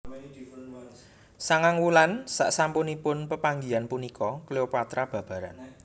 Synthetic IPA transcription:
saŋaŋwulansa̰ʔsampʊnipʊnpəpaŋɡianpunikʰɔkleopoat̪ɾab̥ä̤b̥ä̤ɾa̰n

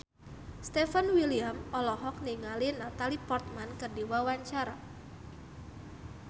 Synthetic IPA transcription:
st̪ɛfanwiliamɔlɔɦɔk̚niŋalinat̪alipɔrt̪̚mankədiwawaɲt͡ʃaɾa

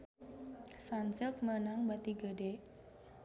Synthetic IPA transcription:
sant͡ʃək̚mənaŋbat̪iɡəde

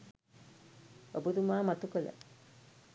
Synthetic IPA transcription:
obud̪umaːmat̪ukələ̰

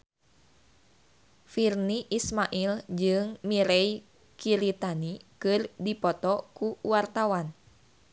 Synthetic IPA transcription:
firniʔismaʔild͡ʒɨŋmiɾɛi | kiɾit̪anikɨrdipɔt̪ɔkuwart̪awan

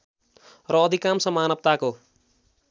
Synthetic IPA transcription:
rʌːd̪ʱikamsʌmanʌb̚t̪ako

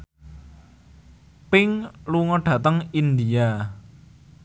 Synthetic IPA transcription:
pɪŋluŋɔɖ̥ä̤t̪əŋind̪ia

